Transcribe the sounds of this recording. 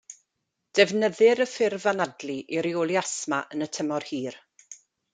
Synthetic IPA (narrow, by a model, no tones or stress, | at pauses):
d̥ɛvnəðɪɾəfɪrvanadlˠiʔiɾiolˠiasmaʔənətʰəmɔrhiːr